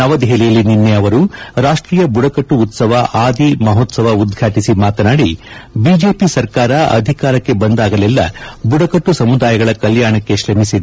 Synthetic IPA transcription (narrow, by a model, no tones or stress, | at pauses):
nɐʋɐd̪ɦeːlijɐlːininːeɐʋɐɾuɾaːʂʈɾiːjɐbuɽɐkɐʈːuːt̪sɐʋɐʔaːd̪imɐɦoːt̪sɐʋɐud̪ɡʱaːʈisimaːt̪ɐnaːɽibiːd͡ʒe̞ːpisɐɾkaːɾɐɐ̰d̪ʱikaːɾɐkːe̞bɐnd̪aːɡɐlɛlːɐ̰buɽɐkɐʈːusɐmud̪aːjɐɡɐɭɐkɐljaːɳɐkːe̞ʃɾɐmisid̪